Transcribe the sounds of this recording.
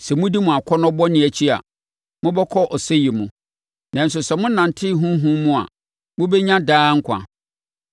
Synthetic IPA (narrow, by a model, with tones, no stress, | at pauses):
sɛ˨mʊ̃˦di˦mʊ̃˨a˨kʷʰɔ˦nɔ̃˦bɔ˦nɪ̃˨æ˨t͡ɕʰi˦a̰˨ | mʊ̃˦bɛ˦kʰɔ˦ʔɔ˨sɛ˦ji˨mũ˨ | nã˨n˨s̬ʊ˨sɛ˨mʊ̃˦nã˨n˨tʰɪ˦ɦũ˦ɦũ˦mũ˦a̰˨ | mʊ̃˦bɛ˦ɲã˦daː˦ŋ̩˦kʷʰã̰˨